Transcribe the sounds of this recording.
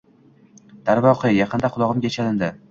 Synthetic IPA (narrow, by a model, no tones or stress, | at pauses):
d̪̥aɾvɒqʰɨjɑqʰɨnd̪aqʰʊlˠɒʁɨmɡʲat͡ʃʰalɪnd̪ɪ